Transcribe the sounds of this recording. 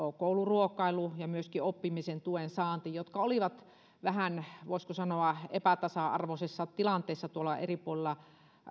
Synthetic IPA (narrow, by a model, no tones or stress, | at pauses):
okouluruokˑɑilujɑmyøskiopːimisent̪uensɑːnt̪ijot̪kɑoliʋɑt̪ | ʋæhænʋoˑiskosɑnoɑepæt̪ɑsɑʔɑ̰rʋosesːɑtt̪ilɑnt̪eːsːɑt̪uolɑḛripuolelːˑɑ